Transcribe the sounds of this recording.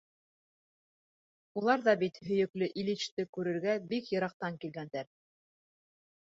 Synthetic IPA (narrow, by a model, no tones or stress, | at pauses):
ulˠɑɾðɑbit̪hɵ̆jɵ̆klɘʔilit͡ʃt̪ɘkʉɾɘ̆ɾɡæbikjɤ̆ɾɑq̚t̪ɑŋkilɡænd̪æɾ